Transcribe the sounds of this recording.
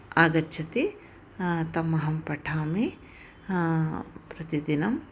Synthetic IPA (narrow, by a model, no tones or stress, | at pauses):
aːɡɐtːʃʰɐt̪e | t̪ɐmːɐɦɐmpɐʈʰaːmi | pɾɐt̪id̪inɐm